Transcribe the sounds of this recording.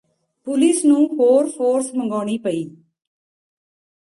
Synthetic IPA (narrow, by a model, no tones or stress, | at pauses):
pʊliːsnũpoːɾfoːɾsmɐŋɡɔːɳipɐɪj